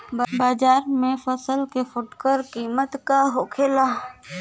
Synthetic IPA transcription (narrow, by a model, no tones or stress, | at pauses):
bbaːd͡ʒaːɾmẽfəsəlkefʊʈkəɾkiːmət̪kaɦoːkʰela